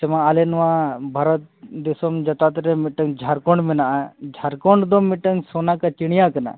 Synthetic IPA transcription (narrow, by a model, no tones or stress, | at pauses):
t͡ʃɐmãalenʋãbʱaɾət̪̚d̪isomd͡ʒɐt̪at̪ɾemiʈɐŋɡd͡ʒʱaɾkoɳɖminad͡ʒʱaɾkoɳɖd̪omiʈəŋsonakat͡ʃiɽ̃ijakɐna̰